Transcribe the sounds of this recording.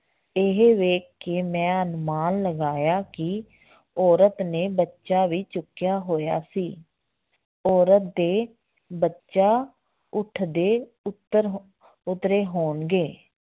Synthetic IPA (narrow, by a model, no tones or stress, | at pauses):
ɪɦeʋeːkːeːmɛ̃ːənmaːnləɡaːjaːkɪ | ɔːɾət̪neːbətːʃaːʋiːt͡ʃʊkːjaːɦoːja̰ːsiː | ɔːɾət̪̚d̪eː | bətːʃaː | ʊʈʰd̪eː | ʊt̪ːəɾ | ʊt̪ɾeːɦoːnɡeː